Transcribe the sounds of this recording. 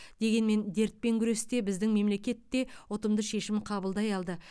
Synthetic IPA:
d̪e̞ɡʲe̞nme̞nd̪e̞ɾt̪̚pe̞ŋkʲʰʏɾe̞st̪e̞bɪzd̪ɪŋme̞mle̞kʲe̞t̪ːe̞wot̪əmd̪əʃe̞ʃɪmqʰɑbəlˠd̪ɑjɑlˠd̪ə

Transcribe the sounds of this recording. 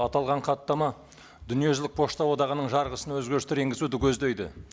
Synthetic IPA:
ɑt̪ɑlˠʁɑɴqʰɑt̪ːɑmɑ | d̪ʏnije̞ʒɪlɪk̚pʰo̞ʃt̪ɑwo̞d̪ɑʁənəɴʒɑɾʁəsənwɵzɡʲeɾɪst̪ɪɾe̞ŋɡʲɪzud̪ɪkʲʰɵzd̪ejd̪ɪ

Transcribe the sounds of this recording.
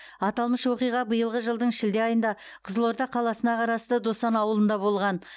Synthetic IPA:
ɑt̪ɑlˠməʃwo̞qijʁɑbəjəlˠʁəʒəlˠd̪əɴʃɪld̪eɑjənd̪ɑ | qʰəzəlˠo̞ɾd̪ɑqʰɑlˠɑsənɑqʰɑɾɑst̪əd̪o̞sɑnɑwəlˠənd̪ɑbo̞lˠʁɑn

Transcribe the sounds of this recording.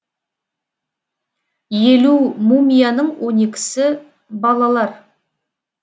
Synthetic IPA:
jelumumʲijanəɴwʔɵne̞kʲɪ̥sɪ | bɑlˠɑlˠɑɾ

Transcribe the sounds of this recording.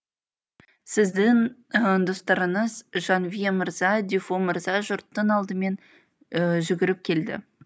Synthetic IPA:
sɪzd̪ɪŋd̪ost̪ɑɾəɴəzʒɑnvijemɪɾzɑd̪ifo̞məɾzɑʒʊɾt̪ːəɴɑlˠd̪əme̞n | əʒʏɡʲɪɾɪp̚kʲʰe̞ld̪ɪ̰

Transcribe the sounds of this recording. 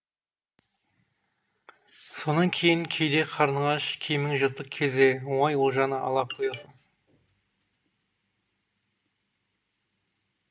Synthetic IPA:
so̞nɑŋkʲʰe̞jɪŋkʲʰejd̪e̞qʰɑɾnəʁɑʃkʲʰejmɪŋʒət̪ːəqkʲʰe̞zewoɴɑjwolˠʒɑnəʔɑ̰lˠɑqʰojɑsən

